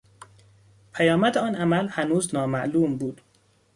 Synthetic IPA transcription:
pʰæjɒːmæd̪eɒːnʔæmælhænuːznɒːmæʔluːmbuːd̪̥

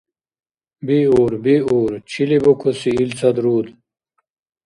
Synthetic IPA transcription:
biuːɾbiuːɾt͡ɕʰilibokʰosiilt͡sʰɐd̪ɾuːd̪

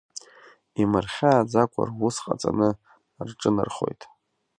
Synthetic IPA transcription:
imɨrχʲaːd͡zakʷʰa̰rwʊsqʼat͡sʼanɨ | rʈ͡ʂʼɨnɨ̰rχo̞̰jtʼ

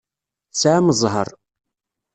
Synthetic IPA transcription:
sʕaməzˤɦə̰ɾˤ

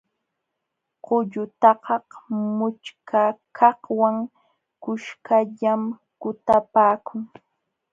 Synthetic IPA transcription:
qʊʎʊt̪ɑqɑhmʊt͡ʃkʰakʰɑhwaŋ | kʊʃkaʎam | kʊt̪apaːkʰʊŋ

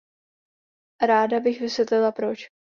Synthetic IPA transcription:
ɾaːdabɪxvɪsvjɛt̪lɪlapɾot͡ʃ

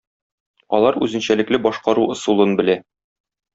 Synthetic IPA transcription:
ɒ̰lˠɑɾʉ̰zɘ̆nɕælɘ̆klɘbɒʃqɑɾuŏsulˠɤnbɘ̆læ

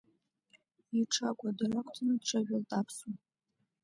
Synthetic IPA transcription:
iʈ͡ʂʰakʷʼadarakʷʰʼtʰanɨdʈ͡ʂʰaʒᶣaltʼapʰsu

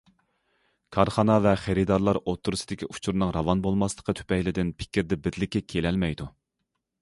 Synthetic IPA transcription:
kʰɑɾχɑnɑvɛχeɾid̪ɑɾlˠɑɾot̪ʰːuɾɨsɨd̪ɪkʲiʔu̥t͡ʃʰuɾnɨŋɾɑvɑnbolˠmɑslˠə̥qʰət̪ʰy̥pɛjlɪd̪ɪnpʰɪ̥kʲiɾd̪ɛbɪɾlɪkʲːɛkʲʰelɛlmɛjd̪u

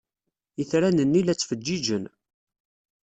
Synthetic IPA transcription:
jəθɾænənːilæt͡sːfəd͡ʒːid͡ʒən

